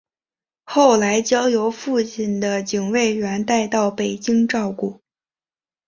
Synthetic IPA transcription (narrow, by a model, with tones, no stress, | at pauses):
xo˥˩ʊla˧˥ɪt͡ɕjɑ˥ŋjo˧˥ʊfu˥˧t͡ɕʰi˥˩nd̪ə˦t͡ɕi˨˩ŋwe˥˩ɪɻa˧˥nt̪a˥˧ɪt̪ɑ˥˩ʊpe˨˩ɪt͡ɕi˥ŋʈ͡ʂɑ˥˧ʊku˥˩